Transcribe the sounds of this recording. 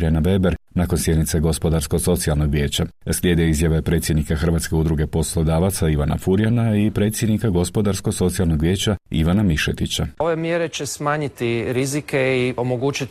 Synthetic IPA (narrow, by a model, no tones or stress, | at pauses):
ɾjanabe̞beɾnaːkonsje̞d̪nit̪se̞ɡo̞spo̞d̪aɾsko̞ɡso̞t̪sialno̞ɡʋje̞ːt͡ɕaslje̞ːd̪ieizjaʋe̞pɾe̞t̪sje̞d̪nikaxr̩ʋat̪ske̞ud̪ɾuɡe̞po̞slˠo̞d̪aːʋat̪saiʋana̰fuɾjanaipɾe̞ːt̪sjed̪nikaɡo̞spo̞d̪aɾsko̞ɡso̞t̪sijalˠno̞ɡʋʲje̞ːt͡ɕaḭʋanamiʃḛt̪it͡ɕaoʋe̞mjeɾe̞t͡ʃesmaːɲit̪iɾizikeiomoɡuːt͡ʃit̪